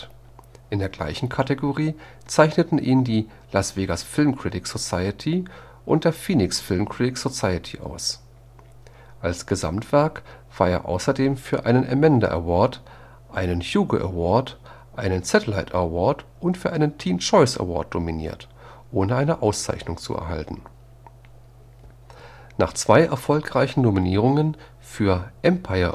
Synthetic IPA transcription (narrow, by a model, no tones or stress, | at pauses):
ʔɪndeːɐɡla̰ɪçn̩kʰateɡoʁiː | t͡saɪçnətn̩ʔiːndiː | lasv̥eːɡasfɪlmkʁ̥ɪtɪkz̥ot͡saɪətʰi | ʔʊntd̥eːɐfiːnɪksfɪlmkʁ̥ɪtɪkz̥ot͡saɪətʰiʔa̰ʊs | ʔalsɡ̥əza̰mtv̥ɛɐkv̥aːɐeːɐʔa̰ʊsɐdeːmfyːɐʔa̰ɪnənʔɛ̰mɛndɐ̰ʔɛ̰ɐvɔɐt | ʔaɪnənçjuːɡəʔɛ̰vɔɐt | ʔaɪnənt͡sɛtəlaɪtɛɐvɔɐtʔʊntfyːɐʔaɪnəntʰiːmt͡ʃɔɪsɛ̰vɔ̰ɐt̚d̥ominḭːɐt | ʔoːnəʔaɪnəʔaʊst͡sa̰ɪçnʊŋt͡sṵʔɛ̰ɐɦa̰ltn̩ | na̰ːχt͡sv̥aɪʔɛɐfɔlkʁ̥aɪçn̩dominiːʁ̞ʊŋən | fyːɐʔɛmpʰaɪɐ